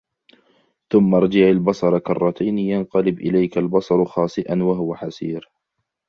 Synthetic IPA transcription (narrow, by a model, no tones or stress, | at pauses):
θʊmːɑɾˤd͡ʒaʕalbɑsˤɑɾˤɑkɑrˤːɑt̪ʰajnɪjanqɑlɪbʔɪlajkalbɑsˤɑɾˤxɑːsˤɨʔanwaɦʊwaħasiːɾ